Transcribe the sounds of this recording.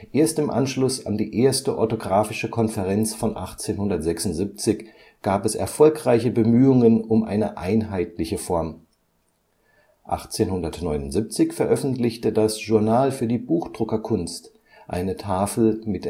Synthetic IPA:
ʔeːɐstɪmʔa̰nʃlʊsa̰ndiːʔeːɐstəʔɔ̰ɐtoɡʁaːfɪʃəkʰɔnfɛʁɛnt͡sfɔnʔa̰χt͡seːnhʊndɐtz̥ɛksʊntz̥ip̚t͡sɪç | ɡ̥aːpɛsɛ̰ɐfɔlkʁ̥aɪçəbəmyːʊŋənʊmʔa̰ɪnəʔa̰ɪnɦaɪtlɪçəfɔɐm | ʔa̰χt͡seːnhʊndɐtnɔʏnʊntz̥ip̚t͡sɪçfɛɐʔœfn̩tlɪçtədasʒ̥uɐnaːlfyːɐdiːbuːxd̥ʁʊkɐkʰʊnst | ʔa̰ɪnətʰaːfl̩mɪt

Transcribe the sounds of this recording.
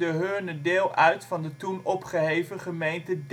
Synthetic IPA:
əɦøːnədeːlˠœɥtfɑndətunɔpχəɦejvəχəmejntəd

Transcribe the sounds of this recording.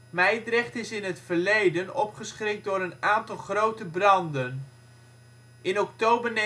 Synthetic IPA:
mɛjdrɛχtɪsɪnɦətfəɹlejdənɔpχəsχrɪk̚dʊːɾənaːntɑlˠχrowtəbrɑndən | ʔɪnɔktowbəɹne

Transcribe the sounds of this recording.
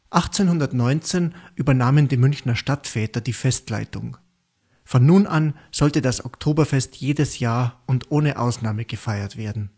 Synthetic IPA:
ʔaχt͡seːnhʊndɐtnɔʏnt͡seːnʔyːbɐnaːməndiːmʏnçnɐʃtatfɛːtɐdiːfɛstla̰ɪtʊ̰ŋ | fɔnːuːnʔan | z̥ɔltədasɔ̰ktʰoːbɐfɛstʰjeːdəsjaːɐʊndʔoːnəʔa̰ʊsnaːməɡ̥əfaɪɐtv̥eːɐdn̩

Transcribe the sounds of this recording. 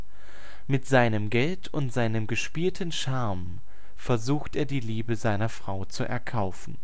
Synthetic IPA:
mɪtz̥aɪnəmɡɛltʰʊntz̥aɪnəmɡəʃpiːltʰən̩ʃaɐm | fɛɐzuːxteːɐdiːliːbəzaɪnɐfʁ̥aʊt͡suʔɛ̰ɐkʰaʊfn̩

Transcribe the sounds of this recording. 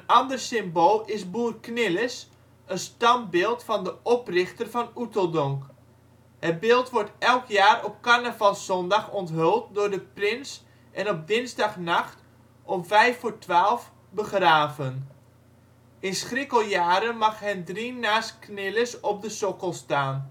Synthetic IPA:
ənɑndərsɪmboːlˠɪsbuːərknɪləs | ənstɑnbɪːlˠtfɑndəʔɔprɪxtərfɑnutəlˠdɔŋk | hət̚bɪːlˠtʋɔɹtɛlˠkʰjaːrɔp̚karnəvɑlˠsɔndɑxɔntɦølˠt̚dʊrdəprɪns | ʔɛnɔp̚dɪnzdɑxnaxt | ʔɔmvɛjfotʋaːlˠf | bəxraːvən | ɪnsχrɪkəlˠjaːɾənmɑxɦɛndrinaːstknɪləsɔp̚dəsokəlˠstaːn

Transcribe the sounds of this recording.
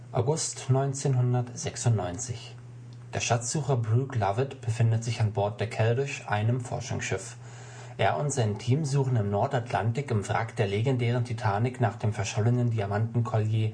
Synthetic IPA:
ʔaʊɡʊstnɔʏnt͡seːnɦʊndɐtz̥ɛksʊntnɔʏnt͡sɪç | d̥eːɐʃaz̥uːχɐbʁuːklavɪtb̥əfɪndətz̥ɪçanbɔɐt̚d̥eːɐkʰɛldɪʃʔa̰ɪnəmfɔ̰ɐʃʊ̰ŋsʃɪf | ʔeːɐʔʊntz̥aɪntʰiːmzuːχn̩ɪmnɔɐtatʰla̰ntɪkɪmfʁa̰kd̥eːɐleɡɛndɛːʁ̞əntʰitʰaːnɪknaːχd̥eːmfɛɐʃɔlənəndiamantn̩kʰɔljeː

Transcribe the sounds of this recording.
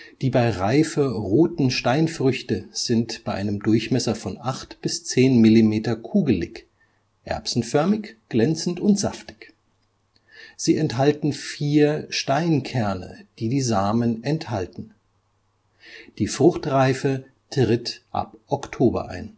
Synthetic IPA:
d̥iːbaɪʁaɪfəʁoːtn̩ʃtaɪnfʁ̥ʏçtəz̥ɪntb̥aɪʔa̰ɪnəmdʊɐçmɛsɐfɔnʔaχtb̥ɪst͡seːnmɪlimeːtɐkʰuːɡl̩ɪç | ʔɛ̰ɐpsn̩fœɐmɪçɡ̥lɛnt͡sn̩tʊntz̥a̰ftɪ̥ç | z̥iːɛnthaltn̩fiːɐʃtaɪnkʰɛɐnə̰d̥iːdiːzaːmənɛnthaltn̩ | d̥iːfʁ̥ʊχtʁaɪfə | tʁɪtʔa̰pʔɔktʰoːbɐ̰ʔa̰ɪn

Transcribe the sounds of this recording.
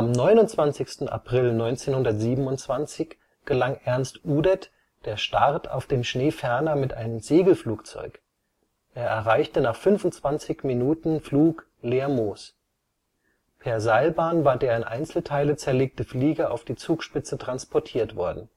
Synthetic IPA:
ʔamnɔʏnʊntt͡sv̥ant͡sɪçstn̩a̰pʁ̥ɪlnɔʏnt͡seːnhʊndɐtz̥iːbm̩ʊntt͡sv̥ant͡sɪç | ɡ̥əlaŋʔɛɐnstʔuːdɛt | d̥eːɐʃtaʁtʰa̰ʊfd̥eːmʃneːfɛɐnɐmɪtʔaɪnəmzeːɡl̩fluːkt͡sɔ̰ʏk | ʔeːɐʔɛɐʁaɪçtənaːχfʏnvʊntt͡sv̥ant͡sɪçminuːtn̩fluːk | leːɐmoːs | pʰeːɐzaɪlbaːnvaːɐdeːɐɪnʔa̰ɪnt͡sl̩tʰaɪlət͡sɛɐleːk̚təfliːɡɐʔa̰ʊfd̥iːt͡suːkʃpɪt͡sətʁ̥anspʰɔɐtʰiːɐtv̥ɔɐdn̩

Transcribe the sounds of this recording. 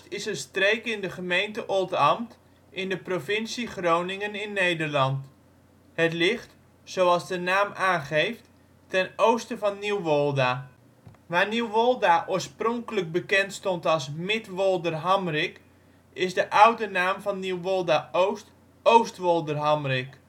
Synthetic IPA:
tɪsənstreːkɪndəχəmejntəʔolˠtɑmt | ʔɪndəprofɪnsiχrownɪŋənɪnːejdərlɑnt | hətlɪχt | sowɑlˠsdənaːmaːnχejft | tɛnowstəvɑnːiwʋolˠda | ʋaːniwʋolˠdaʔoːɹsprɔŋkələk̚bəkɛntstɔntɑlˠsmɪtʋɔlˠdərɦamrɪk | ɪsdəʔawdənaːmvɑnːiwʋolˠdaowst | owstʋɔlˠdərɦamrɪk

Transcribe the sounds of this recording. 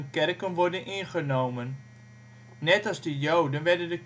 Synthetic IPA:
nkɛrkənʋɔrdənʔɪnχənowmənː | ɛtɑzdəjowdənʋɛrdəndək

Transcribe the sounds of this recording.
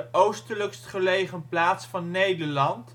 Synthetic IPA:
ʔowstələkstχəlejχənplaːtsfɑnːejdəɹlɑnt

